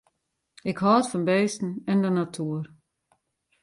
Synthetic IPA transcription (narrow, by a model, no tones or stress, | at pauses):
ɪkhɔːətfɔnbeːstn̩ɛndənatʰuːər